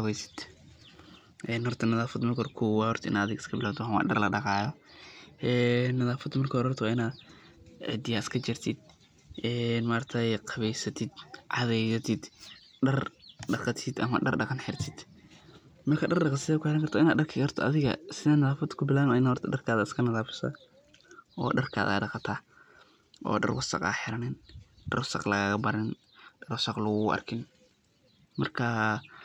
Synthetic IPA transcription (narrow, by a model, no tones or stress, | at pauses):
qɑβɛjsɪ̥d̪̥ | ʔɛːnhɔrt̪ʰɐnɐðaːfɐd̪mɐrkʰɔrkʰʊwɑhɔrt̪ʰɐɪ̰naːɐðɪɣɐɪskʰɐbɪlaːt̪ʰwħwɑ̰ːɖɐ̰rlɐ̰ɖɑqɑːjɔ | ʔɛːnːɐðaːfɐd̪mɐrkʰɐɔɾɔrt̪ʰɐwaːɪnaːd̪ | ʕɪ̰d̪ɪjaːɪskʰɐt͡ʃɪrt̪ʰɪd̪̚ | ʔɛːnmaːrt̪ʰɐjqʰɑβɛjsɐt̪ʰɪd̪ʕɑðɛjsɐt̪ʰɪd̪ | ɖɐrɖɑqɑt̪ʰɪd̪ɐ̰mɐ̰ɖɐ̰rɖɑqɑnħɪrt̪ʰɪd̪̥ | mɐrkʰɐɖɐrɗɑqɑt̪sɪɛkʰʊħɪɾɐŋkʰɐrt̪ɔɪnaːd̪ɗɐrkʰɪkʰɐrt̪ʰɔɐðɪɣɐ̰sɪðaːnɐðaːfɐd̪kʰʊbɪlaːnɪnahɔɾt̪ʰɐɖɐrkʰaːðɐɪskʰɐnɐðaːfɪ̥sɐ̰ | ʔɔ̰ːɖɐrkʰa̰ːða̰dɑqɑt̪ʰaː | ʔɔ̰ːɖɐ̰rwɐsɑ̰qa̰ːħɪɾɐnɪnɖɐ̰rwɐsɐ̰qlɐɣaːɣɐbɐɾɪn | ɖɐrwɐsɑqlʊɣʊʔɐ̰rkʰɪn | mɐrkʰɐ